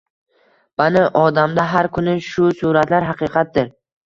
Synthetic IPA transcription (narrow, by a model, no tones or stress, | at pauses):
manaʔɒd̪amd̪aɦaɾkʰʊnɪʃʊsʊɾat̪laɾɦɑqʰɨːqʰɑt̪̚d̪ɪɾ